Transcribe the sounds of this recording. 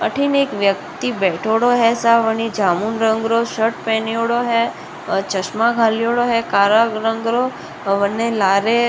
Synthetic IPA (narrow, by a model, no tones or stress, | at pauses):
əʈʰineːkʋjək̚t̪ibɛʈʰoɽoɦɛsaʋəɽ̃id͡ʒaːmunɾə̃ŋɡɾoʃəʈpɛ̃ːnijoɽoɦɛ | t͡ʃəʃmaɡʱaːlijoɽoɦɛkaːɾaɡɾə̃ŋɡɾo | ʋənːelaːɾe